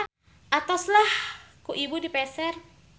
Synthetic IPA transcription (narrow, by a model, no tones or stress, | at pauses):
ʔat̪ɔslahkuʔibudipɛsɛr